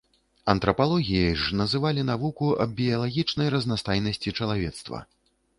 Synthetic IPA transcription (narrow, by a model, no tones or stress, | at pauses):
ɐnt̪ɾɐpalˠɔɣʲijɐʐnɐzɨvalʲinavukuɐ̰bbʲijɐlˠaɣʲit͡ʂnɐjɾɐznast̪ajnɐsʲt͡sʲit͡ʂɐlˠavʲɛt̪st̪vɐ̰